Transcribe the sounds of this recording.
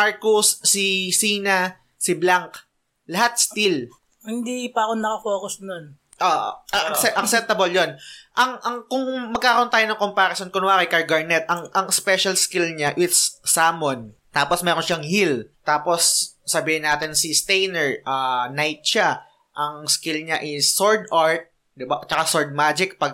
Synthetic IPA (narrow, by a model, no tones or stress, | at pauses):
maɹkʊsːisinɐ | sɪblaŋk | lɐhat̪̚st̪il | hɪnd̪ipɐɐkonɐkɐfoːkʊsnon | ʔoːʔɐʔʔɐksɛʔɐksɛp̚t̪ɐboljonʔɐŋʔɐŋkʊŋmɐɡ̚kːaːɾɐʔont̪aːjonɐŋkompaɾɐsonkonʊwaːkɐjkaɹɡɐɹnɛt̪̚ʔɐŋʔɐŋspɛʃɐlskilɲaʔɪt̪ssaːmont̪aːposmɛːɾonʃaŋhilt̪aːposːɐbiːhɪnaːt̪ɪnsist̪ɛjnɛɹʔaːnajt̪̚ʃa | ʔɐŋskilɲaʔɪsːoɹd̪ʔaɹt̪̚ | d̪ɪbat͡ʃɐkasoɹd̪̚maːd͡ʒɪk̚pɐɡ̚